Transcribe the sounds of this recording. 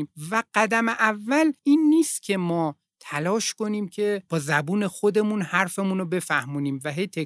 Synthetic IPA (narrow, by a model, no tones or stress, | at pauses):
mvæɢ̥æd̪æmeʔævːæliːnːiːst̪cʲʰe̞mɒː | t̪ʰælɒːʃko̞niːmcʰe̞b̥ɒːzæbuːne̞xo̞d̪e̞munhæɾfemunobe̞fæhmuːniːmvæɦe̞jt̪ʰe